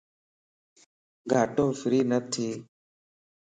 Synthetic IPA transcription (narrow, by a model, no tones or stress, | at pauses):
ɡʱaːʈõːfɪɾiːnət̪ʰiː